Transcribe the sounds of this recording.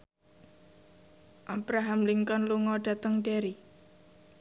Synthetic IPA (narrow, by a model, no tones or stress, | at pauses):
ʔab̥ɾaɦamliŋkɔnluŋɔɖ̥a̤t̪əŋɖeɾi